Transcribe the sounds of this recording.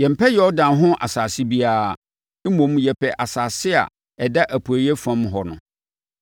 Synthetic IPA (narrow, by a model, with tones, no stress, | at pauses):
jɛ˨m̩˨pʰɛ˦jɔ˦dã˨nɦʊ̃˦ʔa̰˨saː˨si˦bi˦a˦˨ | e˦mõ˨˦m˦jɛ˨pʰɛ˨ʔa˨saː˨sɪ˦a̰˨ | ɛ˨da˦ʔæ˨pʰu˨æ˨jɛ˦fã˦mɦɔ˨nʊ̰̃˨